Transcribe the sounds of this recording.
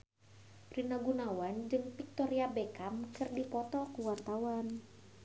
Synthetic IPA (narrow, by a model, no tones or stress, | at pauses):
rinaɡunawand͡ʒɨŋpik̚t̪ɔɾiabekamkɨrdipɔt̪ɔkuwart̪awan